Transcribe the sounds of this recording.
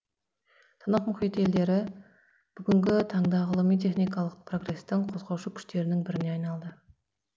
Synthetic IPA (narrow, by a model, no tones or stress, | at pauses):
t̪ʰɑnɑqmʊχijt̪e̞ld̪e̞ɾɪ | b̥ʏɡʲɪŋɡʲɪt̪ʰɑɴd̪ɑʁəlˠəmijt̪ʰe̞χnijkɑlˠəq̚pʰro̞ɡre̞st̪ɪɴqʰo̞zʁɑwʃukʲʰʏ̥ʃt̪e̞ɾɪnɪŋbɪɾɪneɑjnɑlˠd̪ə